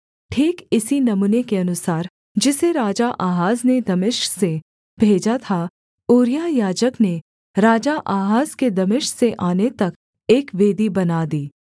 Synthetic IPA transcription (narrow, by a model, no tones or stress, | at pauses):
ʈʰiːkɪsinɐmuːnekeɐnʊsaːɾ | d͡ʒɪseɾaːd͡ʒaʔaːɦaːzned̪ɐmɪʃkse | bʱeːd͡ʒat̪ʰa | oːɾjajaːd͡ʒəkne | ɾaːd͡ʒaʔaːɦaːzked̪ɐmɪʃseʔaːnet̪ɐk | eːkʋeːd̪ibɐnaːd̪iː